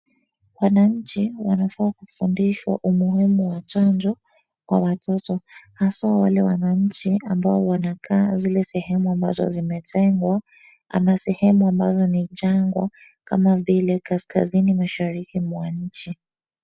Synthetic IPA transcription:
wanaɲ̩t͡ʃiwanafaːkufundiʃwa̰ʔumuhimuwat͡ʃand͡ʒɔ | kwa̰watʰɔtɔhasawalɛwanaɲ̩t͡ʃiambaɔwanakʰaːzilɛsɛhɛmuamba̰zɔ̰zimɛtʰɛŋɡwa | a̰masɛhɛmuambazɔnit͡ʃaŋɡwa̰ | ka̰mavilɛkaska̰zinimaʃaɾikimwaɲ̩t͡ʃi

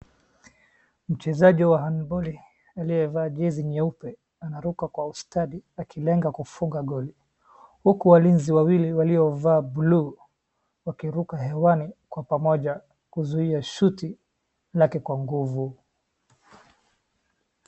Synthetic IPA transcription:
m̩t͡ʃɛzaʄiwaɦanbɔli | alijɛvaːʄɛziɲɛupɛ | anaɾukakwaustaɗiakʰilɛŋɡakufuŋɡaɡɔli | hukuwalinziwawiliwaliɔvaːblu | wakiɾukaɦɛwanikwapamɔʄa | kuzuiaʃuti | lakɛkwaŋɡuvu

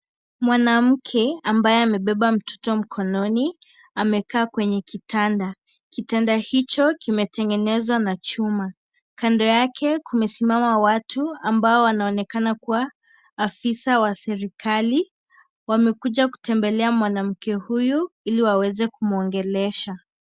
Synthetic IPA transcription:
mwanam̩kʰɛambajɛamɛɓɛɓam̩tʰɔ̥tɔm̩kʰɔnɔni | amɛkaːkwɛɲɛkitanda | kitɛndahit͡ʃɔkimɛtɛŋɡɛnɛzwanat͡ʃuma | kandɔjakʰɛkʰumɛsimamawatuambaɔwanaɔnɛkanakuwaː | fisawasɛɾikʰali | wamɛkuʄaku̥tɛmbɛlɛamwanam̩kɛhujuiliwawɛzɛkumuɔŋɡɛlɛʃa

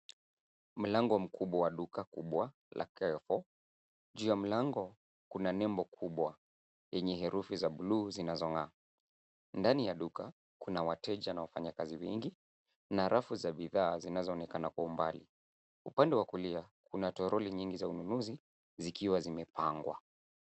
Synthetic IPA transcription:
m̩laŋɡɔm̩kʰuɓwawaɗukakṵɓwa | lʔa̰kɛfɔ | ʄuːjam̩laŋɡɔ | kunanɛmbɔkʰuɓwa | jɛɲɛɦɛɾufizaɓuluːzinazɔŋa | ndanijaɗuka | kunawatɛʄanawafaɲakaziwɛŋɡi | naɾʔafuzaɓiðaːzinazɔːnɛkanakwaumbali | upandɛwakuliakʰunatɔɾɔliɲiŋɡizaununuzi | zikiwazimɛpaŋɡwa̰

